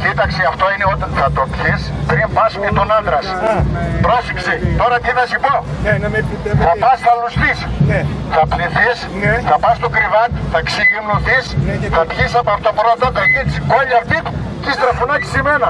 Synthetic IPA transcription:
cit̪ɐkseɐft̪oineot̪ɐnθɐt̪op̪çispɾimpɐsmet̪onɐnd̪ɾɐs | pɾosiksit̪o̞ɾɐt̪iθɐsipo | θɐpɐsθɐlosθisθɐpniθisθɐpɐst̪okɾivɐt̪θɐksiimnuθisθɐp̪çisɐpoɐft̪oboɾonɐt̪ot̪ɐliksikoʎɐft̪it̪ut̪ist̪ɾɐfunɐksimenɐ

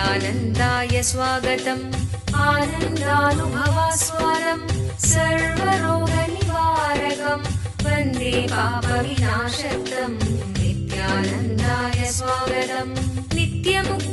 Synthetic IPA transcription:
aːnɐnd̪aːjɐsʋaːɡɐt̪ɐmaːnɐnd̪aːnubʱɐʋaːsʋaːɾɐmsɐɾʋɐɾoːɡɐnibaːɾɐkɐm | pɐnd̪eːpaːpɐʋinaːʂɐɾt̪ɐmnit̪jaːnɐnd̪aːjɐsʋaːɡɐt̪ɐmnit̪jɐmu

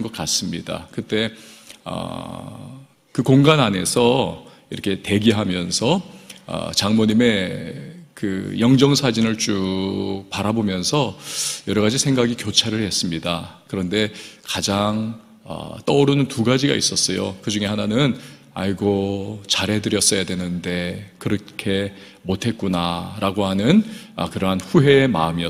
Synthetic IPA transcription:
nɡʌk̚k͈as͈ɯmɲida̰kɯt͈e̞ʌ̰ | kɯkoŋɡanane̞sʰʌ | iɾʌkʰe̞te̞ɡiɦamjʌnsʰʌʌ̰t͡ɕaŋmoɲime̞ | kɯjʌŋd͡ʑʌŋsʰad͡ʑinɯɭt͡ɕu | paɾabomjʌnsʰʌjʌɾʌɣad͡ʑisʰe̞ŋɡaɡikjot͡ɕʰaɾɯɭhe̞s͈ɯmɲidakɯɾʌnde̞kad͡ʑaŋ | ʌ̰t͈ʌɾunɯntuɡad͡ʑiɡa̰ḭs͈ʌs͈ʌjo̰kɯd͡ʑuŋe̞hananɯn | a̰ɭɡot͡ɕaɾe̞dɯɾjʌs͈ʌjadwenɯnde̞kɯɾʌkʰe̞ | motʰe̞t̚k͈unaɾaɡohanɯnʌ̰kɯɾʌɦanɸuɦe̞ːma̰ɯmiʌ

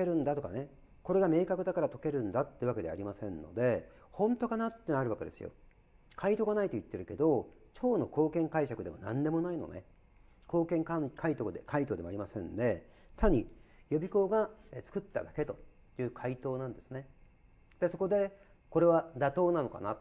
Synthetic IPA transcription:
eɾɯ̟̃nd̪at̪o̞kane̞ | ko̞ɾe̞ɡame̞ːkakɯ̟d̪akaɾat̪o̞ke̞ɾɯ̟̃nd̪at̪ːejɯβake̞d̪e̞a̰ɾʲimasẽ̞nːo̞̰d̪e̞ | hõ̞nt̪o̞kanat̪ːe̞naɾɯ̟βake̞d̪e̞sɨjo̞̰ | kʰait̪o̞ːɡanait̪o̞it̪ːe̞ɾɯ̟ke̞d̪o̞t͡ɕo̞ːno̞ko̞ːkẽ̞ŋkaiɕakɯ̟d̪e̞mo̞̰nã̰nd̪e̞mo̞naino̞̰nḛ | ko̞ːkẽ̞ŋkakait̪ok̪ekʰait̪̬o̞ːd̪emo̞aɾʲimasẽ̞nd̪e̞t̪ʰaɲ̟ijobʲiko̞ːɡaet͡sɨ̥kɯ̟t̪ːa̰d̪ake̞t̪o̞ | jɯ̟ːkʰait̪o̞ːnãnd̪e̞sɨne̞ | d̪̥e̞so̞ko̞d̪e̞ | ko̞ɾe̞βad̪at̪o̞ːnano̞ka̰nato

